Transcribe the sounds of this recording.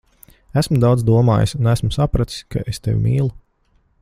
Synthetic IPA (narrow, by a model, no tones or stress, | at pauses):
æsmud̪awd̪zd̪uɔmaːja̰sunæsmusapɾat̪i̥sʲkʰa̰ʔest̪ḛwʲmiːlˠu